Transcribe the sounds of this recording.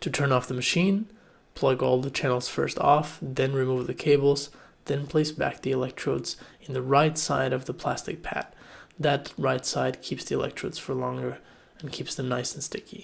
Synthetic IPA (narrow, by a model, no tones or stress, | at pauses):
tʰɨtʰɜ̃˞nɔfðɨmɨʃĩn | pʰl̥ʌɡɔlˠðət͡ʃʰænl̩ˠz̥fɜ̰˞stʰɔfðɨ̃nɹimuvðɨkʰeɪbl̩ˠzðɨ̃npʰl̥eɪsb̥æ̰k̚ðiɨlɛk̚tʰɹ̥oʊdz̥ɨ̃nðɨɹaɪtsaɪɾʌvðəpʰl̥æstɨ̰k̚pʰæ̰t̪̚ðɨtɹaɪtsaɪd̚kʰipsðiɨlʔɛ̰k̚tɹ̥oʊdz̥fə˞lɔ̃ŋɡə˞ | ɨ̃nkʰipsðɨ̃mnaɪsn̩stɪkḭ